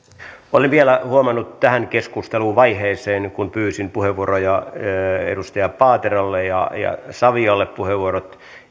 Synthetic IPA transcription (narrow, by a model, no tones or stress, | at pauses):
olenʋielæhuomɑnːut̪t̪æhænkeskust̪eluːʋɑiheːseːnkunpyːsinpuheʋuoɾojɑ | ḛdust̪ɑjɑppɑːt̪erolːejɑ̰jɑ̰sɑʋiɑlːeppuheʋuorot̪